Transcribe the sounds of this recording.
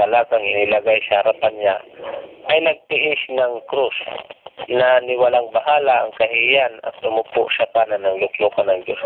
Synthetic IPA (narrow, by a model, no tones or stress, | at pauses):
ɐlaɡaŋɪnɪlɐɡajsɐhɐɾapanɲaʔɐjnɐɡ̚t̪ɪʔɪsnɐŋkɾus | nɐnɪwalaŋbɐɦaːlaʔɐŋkɐhɪjanɐ̰t̪̚lʊmʊpʊʔʃakanɐnɐŋlʊklukanɐŋd͡ʒos